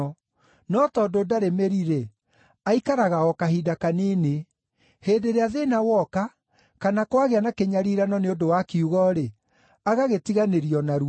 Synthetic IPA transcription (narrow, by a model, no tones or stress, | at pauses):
nɔtɔdodaɾemeɾiɾe | aikaɾaɣaɔkahidakanene | heːndeɾeaðenawɔka | kanakwaɣeanakeɲaɾiːɾanɔneodowakiuɣɔɾe | aɣaɣetiɣaneɾiɔnaɾu